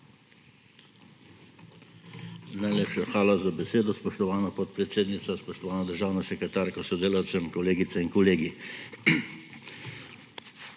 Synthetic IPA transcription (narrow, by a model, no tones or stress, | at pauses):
najleːpʃaxʋaːlazabɛseːd̪ɔspɔʃt̪ɔʋaːnapɔt̪̚pɾɛt̪seːd̪nit̪saspɔʃt̪ɔʋaːnad̪əɾʒaːwnasɛkɾɛt̪aːɾkɔsɔd̪eːlawt̪sɛmkɔleːɡit̪sɛinkɔleːɡi